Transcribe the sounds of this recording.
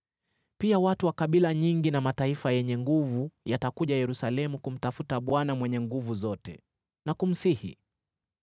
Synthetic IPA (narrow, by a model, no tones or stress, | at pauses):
piawatuwakaɓilaɲiŋɡinamataifajɛɲɛŋɡuvujatakuʄajɛɾusalɛmukum̩tafutaɓwanamwɛɲɛŋɡuvuzɔtɛ̰ | nakum̩sihḭ